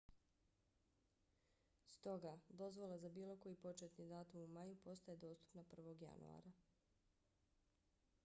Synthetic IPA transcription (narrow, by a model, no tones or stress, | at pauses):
st̪o̞ɡad̪o̞zʋo̞lˠazabiːlˠo̞ko̞jipo̞t͡ʃet̪nid̪aːt̪umumajupo̞st̪aje̞d̪o̞ːst̪u̥pnapr̩ʋo̞ɡja̰nṵa̰ɾa